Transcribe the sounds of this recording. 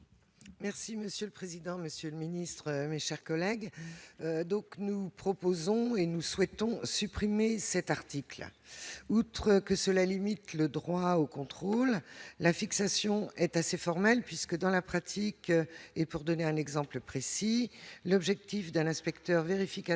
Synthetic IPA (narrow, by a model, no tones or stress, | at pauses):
mɛʁsiməsjøləpχezid̪ɑ̃məsjøləminist̪χəmeʃɛʁkɔlɛɡ | d̪ɔ̃knupχɔpozɔ̃enuswɛt̪ɔ̃sypχimesɛt̪aʁt̪ikl | ut̪χəkəsəlalimit̪ləd̪ʁwaokɔ̃t̪χolːafiksasjɔ̃ɛt̪asefɔʁmɛlpɥiskəd̪ɑ̃lapχat̪ʰikepuʁd̪ɔneɛ̃nɛɡzɑ̃pləpχesilɔbʒɛk̚t̪ifd̪ɛ̃nɛ̃spɛkt̪œʁveʁifika